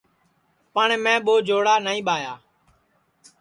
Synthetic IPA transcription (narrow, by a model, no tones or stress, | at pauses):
pəɳmɛ̃ːɓoːd͡ʒoːɽaːnaːĩːɓaːjaː